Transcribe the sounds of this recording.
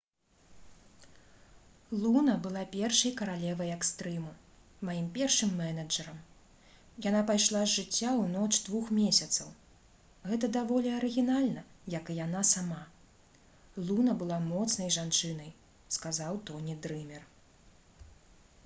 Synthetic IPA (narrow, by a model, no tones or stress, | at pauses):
lˠunɐbɨlˠapʲɛrʂɐjkɐɾalʲɛvɐjɛkst̪ɾɨmu | majimpʲɛrʂɨmːɛnɐd͡ʐɐɾɐm | janapajʂlˠazʐɨt͡sʲːawnɔt͡ʂd̪vuxmʲesʲɐt̪sɐw | ɣɛt̪ɐd̪avɔlʲiɐɾɨɣʲinalʲnɐjɐkɨjan̪asama | lˠunɐbɨlˠamɔt̪snɐjʐant͡ʂɨnɐj | skazawt̪ɔnʲid̪ɾɨmʲɛr